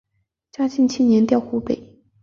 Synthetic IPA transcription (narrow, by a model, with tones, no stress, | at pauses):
t͡ɕja˥t͡ɕi˥˧nt͡ɕʰi˥njɛ˧˥nt̪jɑ˥˧ʊxu˥˩pḛ˨˩ɪ